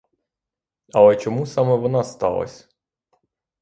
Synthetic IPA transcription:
ɐlˠɛt͡ʃɔmusɑmɛʋɔnɑst̪ɑ̰lˠɐ̰sʲ

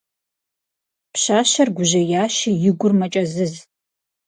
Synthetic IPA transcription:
pɕaːʃɐrɡʷʊʑɐjaːʃijɪɡʷʊrmɐt͡ʃʼɐzɨz

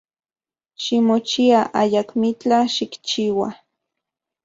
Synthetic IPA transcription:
ʃimot͡ʃiaʔajakmit͡ɬaʃikt͡ʃiːwa

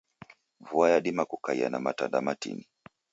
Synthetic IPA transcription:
vuajaɗimakukaia̰namatandamatḭni

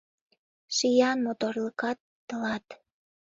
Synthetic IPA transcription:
ʃijɑnmot̪orləkɑt̪ːəlɑt̪

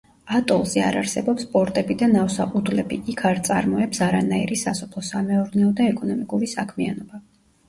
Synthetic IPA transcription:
at̪ʼɔlˠzɛa̰ɾaɾsɛbɔpspʼɔɾt̪ʼɛbid̪anafsaud̪lɛbḭikʰaɾt̪sʼaɾmɔɛpsaɾanaḭɾisasɔpʰlˠɔsamɛɔɾnɛɔd̪aɛkʼɔnɔmikʼuɾisakʰmianɔba

